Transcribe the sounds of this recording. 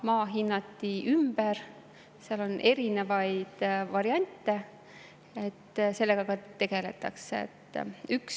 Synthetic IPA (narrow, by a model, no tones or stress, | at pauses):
mɑːɦinːɑt̪ːiymbəɾ | seɑlo̞nʔe̞ɾine̞vɑjd̪̥vɑɾiɑnʲt̪ːˑe̞ | et̪ːse̞lːe̞ɡ̥ɑkɑt̪e̞ɡ̥e̞let̪ːˑɑ̰ksḛt̪ːˑyks